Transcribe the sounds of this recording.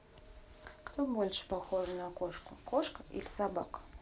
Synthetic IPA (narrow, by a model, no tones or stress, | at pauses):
kt̪obolʲʂpaxoʐnɐkoʂkʊkoʂkəḭlʲɪsaba̰k